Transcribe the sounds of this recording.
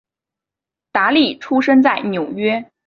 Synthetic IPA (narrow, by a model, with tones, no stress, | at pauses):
t̪a˧˥li˥˩ʈ͡ʂʰu˥ʂə˥nt͡sa˥˩ɪnjo˨˩ʊɥɛ˥